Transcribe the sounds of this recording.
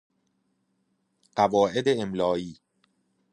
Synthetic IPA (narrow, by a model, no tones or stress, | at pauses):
ɢ̥ævɒːʔed̪eːmlɒːiː